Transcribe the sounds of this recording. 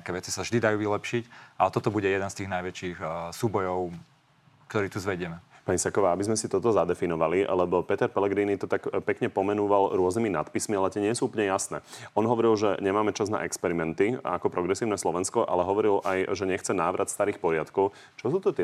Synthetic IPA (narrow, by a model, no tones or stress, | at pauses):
ɲɛakɛːʋɛt͡si̥savʒd̪id̪ajuːʋilɛpʃicat̪ɔt̪ɔbuɟɛjɛd̪ɛnst̪iːɣnajʋɛt͡ʃixsuːbɔjɔʊ | k̚t̪ɔɾiːt̪uzʋɛɟɪɛmɛpaɲisɛkɔʋaːabizmɛsit̪ɔt̪ɔzad̪ɛfinɔʋalilɛbɔpɛt̪ɛɾpɛlɛɡɾiːnit̪ɔt̪akpɛkɲɛpɔmɛnuːʋalɾʊɔzniminat̪pismialɛt̪ɪɛɲɪɛsuːup̬lɲɛjasnɛ̰ːɔnɦɔʋɔɾilʒɛɲɛmaːmɛt͡ʃazna̰ʔɛkspɛɾimɛnt̪ia̰kɔpɾɔɡɾɛsiːʊnɛːslɔʋɛnskɔʔa̰lɛɦɔʋɔɾilʔajʒɛɲɛxt͡sɛnaːʋɾʔat̪st̪aɾiːxpɔɾɪat̪kɔʊ | t͡ʃɔs̬uːt̪ɔt̪ɪɛ